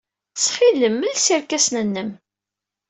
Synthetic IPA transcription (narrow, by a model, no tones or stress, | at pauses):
sχiləmːəlsiɾkæsnənːəm